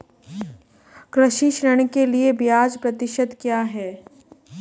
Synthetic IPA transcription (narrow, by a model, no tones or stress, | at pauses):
kɾəʃiʃɾəɽ̃keliebjaːd͡ʒpɾɐt̪ɪʃət̪kjaːɦɛː